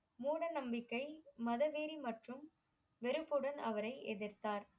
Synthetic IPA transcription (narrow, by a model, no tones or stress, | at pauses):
muːɽɐnɐmbɪkːɐɪmɐðɐʋeːɾimɐʈrɯm | ʋɛɾɯpːɯɽɐnɐʋɐɾɐɪʔɛðɪɾt̪aːɾ